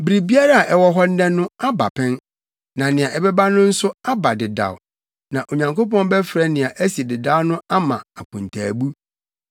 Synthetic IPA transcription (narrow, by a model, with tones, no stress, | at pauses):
bi˨ɾi˨bi˦a˦ɾa˦a˨ʔɛ˨wɔ˦ɦɔ˦n̩˦dɛ̃˦nʊ̃˦a˦ba̰˨pʰɛ̃˦n | nã˨nɪ̃˨a˨ʔɛ˨bɛ˦ba˦nʊ̃˦n̩˦sʊ˦a˦ba˨dɪ˨da̰˨w | nã˨ʔo˨ɲã˨ŋko˦pɔ̃˦n˦bɛ˦fɾɛ˦nɪ̃˨a˨ʔæ˦si˨dɪ˨da˦wnʊ̃˦a˦mã̰˨a˨kʰʊ̃˨ntʰaː˨bu˦